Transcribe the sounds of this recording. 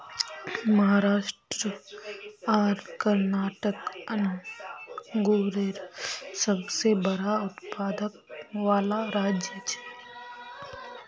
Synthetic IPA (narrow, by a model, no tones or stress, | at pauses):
məɦaɾaːʃʈɾə | aːɾkəɾnaːʈəkən | ɡoːɾeːɾsəbsebəɽaʊt̪pʰaːd̪ək̚ʋaːlaɾaːd͡ʒət͡ʃe̥